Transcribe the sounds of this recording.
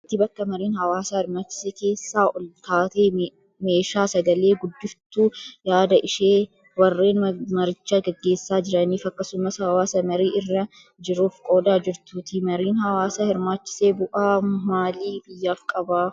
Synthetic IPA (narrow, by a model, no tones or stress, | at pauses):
ɪt̪ːɪbɐkːɐmɐɾiːnhɐwaːsaːhɪɾmaːt͡ʃːɪ̥seːke̞ːsːaːʔɔlt̪aːt̪eː | me̞ːʃaːsɐɡɐle̞ːɡʊd̪ːɪft̪uːjaːd̪ɐʔɪʃeː | wɐrːe̞ːnmɐɾɪt͡ʃːaːɡɛɡːe̞ːsːaːd͡ʒɪɾɐniːfɐkːɐsʊmɐsɐbɐwaːsɐmɐɾiːɪrːɐ | d͡ʒɪɾuːfkʼo̞ːd̪aːd͡ʒɪɾt̪uːt̪ɪmɐɾiːnhɐwaːsahɪɾmaːt͡ʃːɪ̥se̞ːbʊʔaːmaːliːbɪjːaːfkʼɐbaː